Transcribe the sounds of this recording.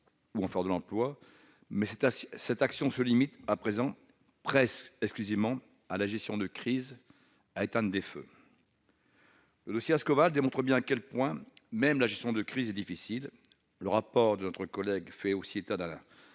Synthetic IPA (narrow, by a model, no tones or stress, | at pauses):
uɑ̃fɛʁd̪əlɑ̃plwa | mɛsɛt̪aksjɔ̃səlimit̪apχezɑ̃ | pχɛsɛksklyzevmɑ̃ | alaʒɛst̪jɔ̃d̪əkχiz | aet̪ɛ̃d̪efø̰ | ləd̪ɔsjeaskɔvald̪emɔ̃t̪χəbjɛ̃akʲɛlpwɛ̃mɛmlaʒɛst̪jɔ̃d̪əkχizɛd̪ifisil | ləʁapɔʁd̪ənɔt̪χəkɔlɛɡfɛosiet̪ad̪ɛ̃